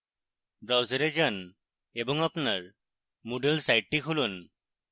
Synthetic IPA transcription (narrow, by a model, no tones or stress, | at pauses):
bɹawzaɹezan | ebɔŋapunaɹ | muɖelsajʈ̚ːikʰulun